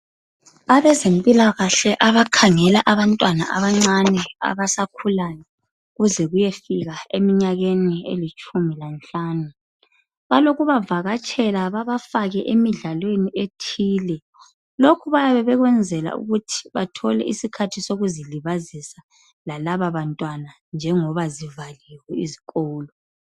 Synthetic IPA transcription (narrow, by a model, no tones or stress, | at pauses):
aβɛzempʼilaɣaɬɛʔaβakʰaŋɛlaʔaβantʼwana̰ʔa̰βaŋ͡ǀanɛa̰βasakʰulanɛ | ɣuzɛɣujefiɣaemiɲaɣeniḛlit͡ʃʼumilant͡ɬʼaːnu | βaloɣuβavaɣat͡ʃʼɛlaβaβafaɣɛʔemiɮalweniʔetʰiːlɛ | lokʰuβajaβɛβɛɣwɛnd͡zʱɛla̰ṵɣutʰi̥βatʰɔlɛ̰ʔisikʰatʰisoɣuziliβazisa | lalaβaβantʼwana | nd͡ʒʱɛŋɔβazivaliwɛiziɣoːlɔ